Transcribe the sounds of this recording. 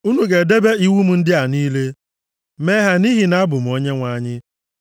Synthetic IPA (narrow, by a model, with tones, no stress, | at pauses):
u˦nu˨ɡe˨de˦be˦i˦wu˦m̩˨n̩˦dɪ˦a˨niː˦le˦ | me˦ɦa˨ni˦ɦi˨na˦bʊ˨m̩˨˦o˦ɲe˦ŋʷa˨˦˨ɲɪ˦